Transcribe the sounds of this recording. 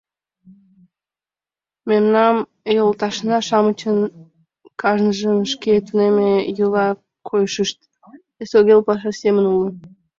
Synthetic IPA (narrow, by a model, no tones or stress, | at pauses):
memnɑm | jolˠt̪ɑʃnɑʃɑmət͡ɕən | kʰɑʒnəʒənʃket̪unemejulɑ | kʰojʃəʃt̪̚ | esoɣelpɑʃ̬ɑsemənulə